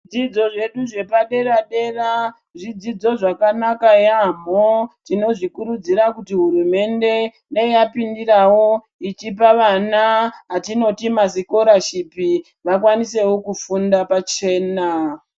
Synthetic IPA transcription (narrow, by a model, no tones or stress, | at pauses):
d͡zid͡zo̞ʐe̞ɗuʐe̞paɗe̞raɗe̞ra | ʐid͡zid͡zo̞ʐakanakajamotino̞ʐikuɾud͡ziɾakutiɦuɾume̞nde̞ndaiapindirawo̞ | it͡ʃipaʋanaɦatino̞timasiko̞ɾaʃipi | ʋakwanise̞wo̞kufundapat͡ʃe̞ːna